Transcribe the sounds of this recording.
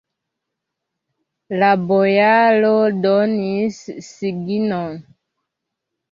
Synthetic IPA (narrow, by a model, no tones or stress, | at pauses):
labojalodɔnisːiɡinɔn